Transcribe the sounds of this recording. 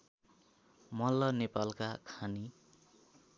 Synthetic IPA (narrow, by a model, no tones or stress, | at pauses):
mʌlʌnepalkakʰani